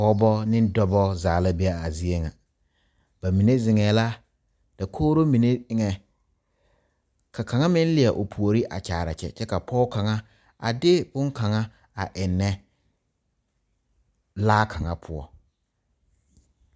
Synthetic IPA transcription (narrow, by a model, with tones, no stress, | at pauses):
pɔ˦bɔ˦nɪ̃˦n˦dɔ˦bɔ˦zaː˨la˦be˦a˦˨a˨zi˦e˦ŋa˨ | b̥a˨mi˨ne˦zɪ˨ŋɛː˨la˦ | d̥a˨kʰoː˦ɾo˦mi˨ne˦ŋɛ˨ | kʰa˨ka˨ŋa˦mɪ̃˦n˦lɪ˨a˨ʔo˨pʰu˨o˨ɾi˦ʔa̰˨t͡ʃaː˨ɾa̰˨t͡ʃɛ̰˦t͡ʃɛ˦ka˨pʰɔː˦ka˨ŋa˦ | a̰˨dɪ˦bʊ˦ŋka˨ŋa˦ | a˨ʔɪ˨nːɛ˦ | laː˦kʰa˨ŋa˦pʰʊ˦ɔ̰˦